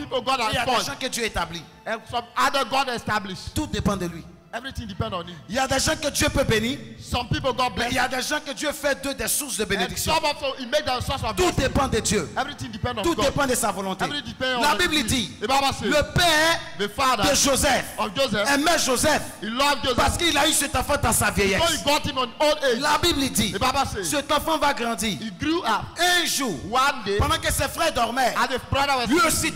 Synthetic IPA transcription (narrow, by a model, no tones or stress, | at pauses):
pip̩ɡɔtaaʒãkəd̪jøet̪abli | ɛsɔ̃madəɡɔdɛstabliʃt̪ud̪epɑ̃d̪əlɥi | ɛvɹit̪ĩŋdipɛ̃ndɔ̃niiljad̪ɛʒɑ̃kəd̪jøpøbenisɔ̃mpipl̩ˠɡɔt̚blɛiljad̪ɛʒɑ̃kəd̪jøfɛd̪ød̪ɛsusd̪əbened̪ikssjɔɔmɔvsoimek̚dɛ̃sɔsɔt̪ud̪epɑ̃d̪ədjøɛvɹit̪ĩŋdipɛ̃ndɔ̃t̪udepɑ̃d̪əsavɔlɔ̃t̪eĩdipɛ̃nɔ̃labibld̪iebabaseləpɛʁðəfaðəd̪əʒozɛfɔvd͡ʒozɛɛmɛʒozɛfhilɔvd͡ʒozpaʁsə̥kəilaysɛt̪ɑ̃fɑ̃d̪ãsavjɛjɛ̃osiɡɔthĩmɔ̃noned͡ʒlabiblid̪ibabasesɛt̪ɑ̃fɑ̃vaɡʁɑ̃d̪iːiɡɾuap̚ɛ̃ʒuwãndepɑ̃d̪ɑ̃kəsɛfʁɛd̪ɔʁmɛãebɹadəwɛlɥiosi